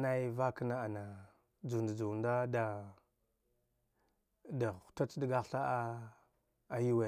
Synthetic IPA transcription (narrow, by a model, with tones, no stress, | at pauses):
na˦i˦va˦kə˦na˦a˨na˨ | d͡zu˨nda˨d͡ʒu˨nda˦da˨ | dḁ˨ta˦t͡sdi˦ɡa˦ɬa˦a˦ | a˨ju˦we˨